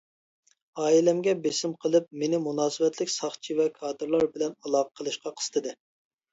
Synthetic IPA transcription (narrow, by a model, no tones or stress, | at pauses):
ɑːilɛmɡʲɛbesɪmqʰəlˠɨp̚menɪmunɑːsɨvɛt̪lɪkʲsɑχt͡ʃʰivɛkʰɑːd̪ɨɾlˠɑɾbɪlɛnɑlˠɑːʁʰəqʰəlˠɨʃqɑqʰə̥sɨ̥t̪ʰɨd̪ɨ